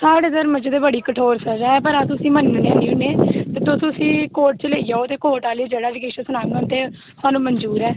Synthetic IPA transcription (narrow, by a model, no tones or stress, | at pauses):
saːɽeːzəɾməd͡ʒd̪eːbəɽiːkəʈʰoːɾsəd͡ʒɛːpəɾaːt̪ʊsĩːmənːneaːnĩːʊneːt̪eːt̪ʊssĩːkoːʈ̚t͡ʃəleːijaːoːt̪eːkoːʈaːliːd͡ʒeːɽaːd͡ʒɪkeːʃõsʊnãːŋə̃nt̪eː | saːnũːmənd͡ʒuːɾɛː